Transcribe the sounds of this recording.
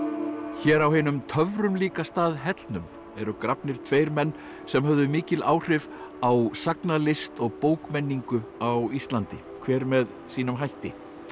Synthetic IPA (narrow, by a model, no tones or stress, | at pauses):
çɛːɾawɦɪnʏmt̪ʰœvɾʏmliːkast̪aːðɦɛt̪lnʏm | ɛɾʏkɾapnɪɾ̥t̪ʰveːjɾmɛnː | sɛmhœvðʏmɪːcɪlʔa̰ːwr̥ɪv | awsaknalɪst̪ɔɣpoːwkmɛnːiŋkʏawist̪lant̪ɪ | kʰv̥ɛːɾmɛð | siːnʏmɦajht̪ɪ